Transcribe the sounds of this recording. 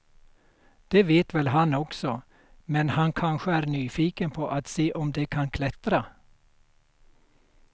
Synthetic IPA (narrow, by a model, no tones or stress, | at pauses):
d̪̥eːveːt̪ʋɛlɦɑnɔksɔ | mɛnhɑnkʰɑnɧəæːɾnyːfiːkənpʰoːʔat̪seːʔɔmd̪ekʰɑnkʰlɛt̪ɾa